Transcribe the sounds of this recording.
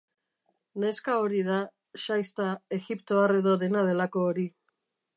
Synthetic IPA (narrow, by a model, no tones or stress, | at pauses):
ne̞skao̞ɾið̞a | ʃajst̪ae̞ɣipt̪oare̞ðo̞ðe̞nað̞e̞lako̞ːɾi